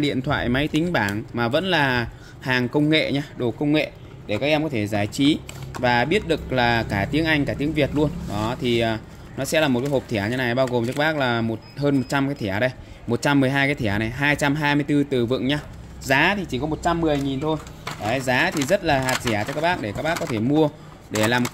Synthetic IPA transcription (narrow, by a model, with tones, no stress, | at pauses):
ɗḭ˧˨ənt̪ʰwa̰ː˧˨jma˨˦jt̪ï˨˦ŋ̟ɓaː˧˩ŋmaː˨˩və̰˧˥nlaː˨˩ | haː˨˩ŋkə˧wŋ͡mŋḛ˧˨ɲaː˧ɗo˨˩kə˧wŋ͡mŋḛ˧˨ | ɗe˧˩kaː˦˥k̚ʔɛ˧mkɔ˨˦t̪ʰe˧˩zaː˨˩jt͡ɕi˨˦vaː˨˩ɓi˦˥ət̚ɗɨ˨˩k̚laː˨˩kaː˧˩t̪i˨˦əŋʔa˧jŋ̟kaː˧˩t̪i˨˦əŋvi˨˩ət̚lu˧ənɗɔ˨˦t̪ʰi˨˩ʔəː˨˩ | nɔ˨˦sɛ̰˧˥laː˨˩m̚˨˩kaː˨˦jo˨˩p̚t̪ʰi˧˩˨ɲaː˧˦na˨˩jɓaː˧wɣo˨˩mt͡ɕɨː˦˥k̚ɓaː˦˥k̚laː˨˩mo˨˩t̚həː˧nmo˨˩t̚t͡ɕa˧mkaː˨˦jt̪ʰi˧˩ɗə˧j | mo˨˩t̚t͡ɕa˧mːɨ˨˩əjɦaː˧jkaː˨˦jt̪ʰɛ˧˩na˨˩jɦaː˧jt͡ɕa˧mɦaː˧jmɨ˧əjt̪ɨ˧t̪ɨ˨˩vɨ̰˧˨ŋɲaː˧ | zaː˨˦t̪ʰi˨˩t͡ɕi˧˩kɔ˨˦mo˨˩t̚t͡ɕa˧mːɨ˨˩əjŋi˨˩nt̪ʰo˧j | ʔa˨˦zaː˨˦t̪ʰi˨˩zə˦˥t̚laː˨˩ɦaː˨˩t̚zɛ˧˩t͡ɕɔ˧kaː˦˥k̚ɓaː˦˥k̚ɗe˧˩kaː˦˥k̚ɓaː˦˥kːɔ˨˦t̪ʰe˧˩mu˧ə | ɗe˧˩laː˨˩m